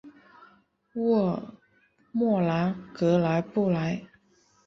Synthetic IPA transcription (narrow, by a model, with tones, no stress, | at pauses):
wɔ˥˩ | mwɔ˥˩la˧˥nkɤ˧˥la˧˥ɪpu˥˩la˨˧˥ɪ